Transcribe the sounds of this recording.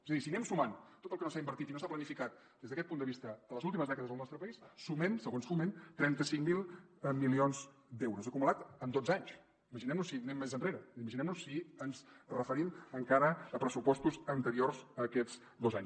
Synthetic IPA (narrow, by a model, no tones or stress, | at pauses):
ezəðisinɛmsumant̪ot̪əlˠkənosaimbəɾt̪it̪inosaplənifikat̪̚ | d̪ezðəkɛt̪̚pund̪əβist̪əələzulˠt̪iməzðɛkəðəzðəlˠnɔst̪ɾəpəissumensəɣonsument̪ɾɛnt̪əsiŋmilˠmilionz | d̪ɛwɾuzəkumulat̪əmd̪od͡zaɲs | iməʒinɛmnusinɛmːezənreɾəiməʒinɛmnusːiənzrəfəɾiməŋkaɾəːpɾəsupɔst̪uzənt̪əɾiorzəkɛd͡z | d̪ozaɲs